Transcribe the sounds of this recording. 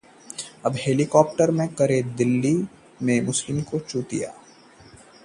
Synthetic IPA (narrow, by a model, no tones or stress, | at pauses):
ɐbɦeːlikɔːp̚ʈəɾmẽkɐɾed̪ɪlːi | mẽmʊslɪmikot͡ʃuːt̪ḭja̰ː